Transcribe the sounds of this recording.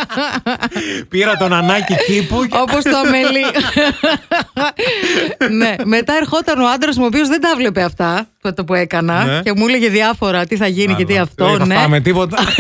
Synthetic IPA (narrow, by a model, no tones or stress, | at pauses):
piɾɐt̪o̞nɐnɐcicipuo̞post̪oɐmeli | ne̞me̞t̪ɐe̞ɾxo̞t̪ɐnoɐnd̪ɾɐzmuo̞piozðe̞d̪ɐvle̞pe̞ɐft̪ɐt̪oɐt̪ɐpue̞kɐnɐce̞muleʝeðiɐfo̞ɾɐt̪iθɐʝinicet̪iɐft̪o̞neɐmet̪ipot̪